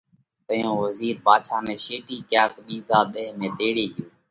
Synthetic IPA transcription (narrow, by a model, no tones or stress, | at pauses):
t̪əjõːʋəziːɾbaːʃʰaːneːʃeːʈiːkaːkɗiːzaːɗ̪eːɦmẽːd̪eːɽeːɦɪjoː